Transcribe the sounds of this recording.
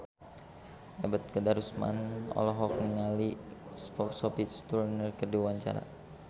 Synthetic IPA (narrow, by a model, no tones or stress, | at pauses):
ɛbət̪̚kədaɾusma̰nɔ̰lɔɦɔk̚niŋalispɔsɔpit̪st̪urnərkərdiwaɲt͡ʃa̰ɾa̰